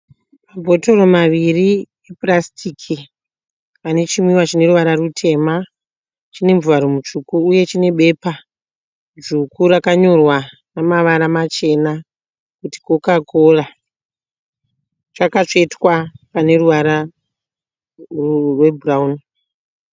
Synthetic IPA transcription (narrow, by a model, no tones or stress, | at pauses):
mabʱo̞to̞ro̞maʋiri | eprastʰikʰi | ane̞t͡ʃimiwat͡ʃine̞ɾuʋaɾarutʰe̞ːma | t͡ʃine̞ɱvuaɾomut͡ʂukuːje̞t͡ʃine̞ɓe̞pa | d͡ʒukurakaɲo̞rwa | namaʋaɾamat͡ʃe̞na | kuti̥kokako̞ra | t͡ʃakat͡ʂetwapane̞ruʋaɾa | rrwe̞buraun